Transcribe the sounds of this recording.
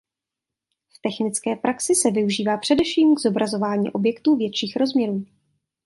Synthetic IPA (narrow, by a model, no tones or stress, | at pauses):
ft̪ɛxnɪt͡skɛːpɾʔaksɪsɛvɪuʒiːvaːpr̝̥ɛdɛfʃiːmɡzo̞bɾʔazo̞vaːɲḭːʔo̞bjɛkt̪uːvjɛt̪ʃiːxɾo̞zmɲɛɾuː